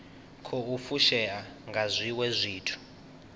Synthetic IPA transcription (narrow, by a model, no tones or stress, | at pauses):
kʰɔufuʃɛaŋɡʱazʷiwɛzʷiːtʰu̥